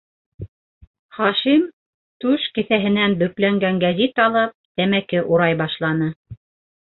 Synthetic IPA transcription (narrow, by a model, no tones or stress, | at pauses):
χɑʃim | t̪ʉʃkɘ̆θæɦɘ̆nænbɵ̆klæŋɡæŋɡæzit̪ɑlˠɤp̚t̪æmækɘʔuɾɑjbɑʃlˠɑnɤ